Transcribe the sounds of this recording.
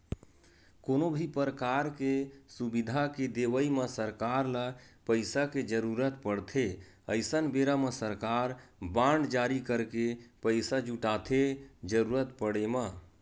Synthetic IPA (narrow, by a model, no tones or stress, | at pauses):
konobʱipəɾəkaɾkesubid̪ʱaked̪eʋəiməsəɾkaɾlapəɪsaked͡ʒəɾuɾət̪pəɽt̪ʰe | əɪsənbeɾamə̃səɾkaɾbãɳɖd͡ʒaɾikəɾkepəɪsad͡ʒuʈat̪ʰed͡ʒəɾuɾət̪pəɽema